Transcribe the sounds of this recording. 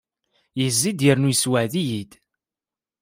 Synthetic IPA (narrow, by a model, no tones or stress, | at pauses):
jəzːid̪jəɾnujəswəʕðijid̪